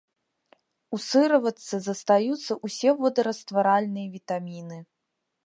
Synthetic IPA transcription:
usɨɾɐvɐt̪sːɐzɐst̪ajut̪sːɐʔusʲɛvɔd̪ɐɾɐst̪vaɾalʲnɨjɐvʲit̪amʲinɨ

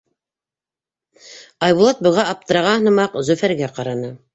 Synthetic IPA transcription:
ɑjbulˠɑt̪̚bɤ̆ʁɑʔɑp̚t̪ɤ̆ɾɑʁɑ̆nɤ̆mɑqzɵ̆fæɾɡæqɑɾɑnɤ

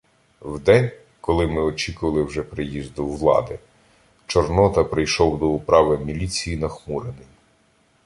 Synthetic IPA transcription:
wd̪ɛnʲ | kɔlˠɪmɪɔt͡ʃikʊʋɐlˠɪwʒɛpɾɪjizd̪ʊwlˠɑ̰d̪ɪ | t͡ʃɔrnɔt̪ɐpɾɪjʃɔwd̪ɔʊpɾɑʋɪmʲilʲit͡sʲijinɐxmuɾenɪj

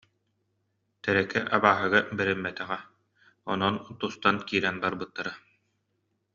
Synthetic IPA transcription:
t̪ɛɾɛkɛʔabaːɦɯɡabɛɾɛmːɛt̪ɛʁɛ | ɔnɔnt̪ust̪ankiːɾɛnbaɾbɯt̪ːaɾa

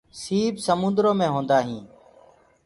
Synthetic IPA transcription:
siːbsəmʊ̃nd̪ɾõːmẽːɦõːnd̪aːɦĩː

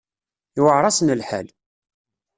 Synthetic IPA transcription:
iwəʕɾˤɑsənəlħa̰l

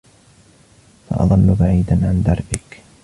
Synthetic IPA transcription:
fɑ̰ʔɑ̰ðˤɑnːʊbaʕiːd̪anʕand̪ɑɾˤʔɪk

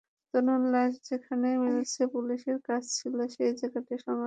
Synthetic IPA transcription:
t̪ononlaʃd͡ʑekʰanemilet͡ɕʰepuliʃeɾkat͡ɕʰt͡ɕʰiloʃejd͡ʑekaʈiʃɔŋɡ

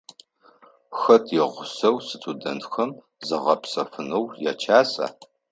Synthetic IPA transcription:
xɐtʰjɛʁʷʊsɐwsɨtʰʼudɐntxɐm | zɐʁɐpsɐfɨnɐwja̰t͡ʃʰaːsa̰ː

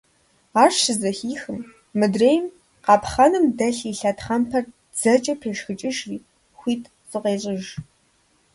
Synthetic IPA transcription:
aːrʃɨzɐxiːxɨmː | ɨdreːjm | qɑːpχɐnɨmdɐɬiːɬɐtχɐmpʰɐr | d͡z̥ɐt͡ʃʼɐpʰeːʂxɨt͡ʃʼɪʒriː | xʷiːtʰʼ | sʼɨqeːɕʼɪʒ

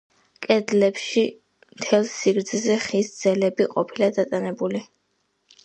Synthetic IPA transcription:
kʼɛd̪lɛpʃi | mt̪ʰɛlˠsiɡɾd̪zzɛχisd̪z̥ɛlɛbiqʼɔpʰilad̪at̪ʼanɛbuli

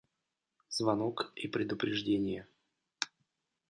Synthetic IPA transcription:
z̥vɐnokipɾʲɪd̪ʊpɾʲɪʐdʲenʲɪjə

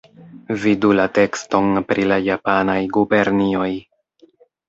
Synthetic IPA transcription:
vidulate̞ksto̞npɾilajapanajɡube̞ɾnio̞j

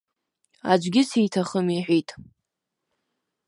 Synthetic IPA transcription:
a̰d͡ʒʷɡʲɪsejtʰaχəmiħʷᶣitʼ

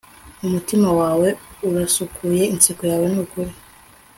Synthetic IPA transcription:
umutimawaːwe̞uɾasukʰuje̞insikojaːwe̞nukuɾi

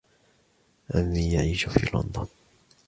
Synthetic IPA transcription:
ʔanːiːjaʕiːʃʊfḭːlʊ̰nd̪ˤɑ

